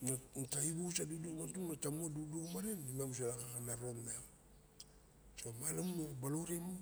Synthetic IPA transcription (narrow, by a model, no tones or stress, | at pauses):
nantaibusadudumantumnatamuadudumaɾenimamus̬alakakanaɾonmem | somalammabalowɾemu